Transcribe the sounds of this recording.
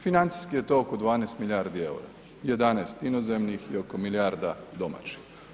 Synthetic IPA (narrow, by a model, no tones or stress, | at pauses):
finant̪si̥skijet̪ookod̪ʋaːnɛjst̪milʲjaɾd̪iḛwɾa̰ | jed̪anajst̪inozemnixjeokomiljaːɾd̪ad̪oma̰t͡ʃi̥x